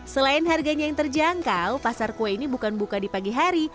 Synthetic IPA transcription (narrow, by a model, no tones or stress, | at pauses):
səlaɪnɦarɡaɲajaŋt̪ərd͡ʒaŋkawpasarkoeinibukanbukadipaɡiɦaɾi